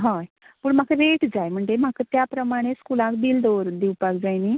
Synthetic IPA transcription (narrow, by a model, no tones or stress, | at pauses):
ɦaj | puːɳm̤akəɾeʈd͡zajm̤əɳd͡zem̤akət̪japɾəmaɽ̃eskulãkb̪ild̪oɾd̪iwpak̚d͡zajni